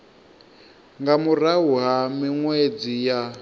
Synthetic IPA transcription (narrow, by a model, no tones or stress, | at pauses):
ŋɡamuɾaɦuɦamiŋwed͡zija